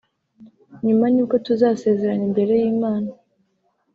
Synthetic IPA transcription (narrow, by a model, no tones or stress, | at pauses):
ɲumanuːko̞tuzaːse̞ːze̞ɾanimbe̞ɾe̞jiːmaːna